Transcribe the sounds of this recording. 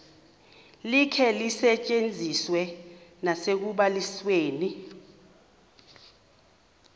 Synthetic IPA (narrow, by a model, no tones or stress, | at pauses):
likʰɛlisɛt͡ʃʼend͡zʱiswɛnasek̬uɓalisweːni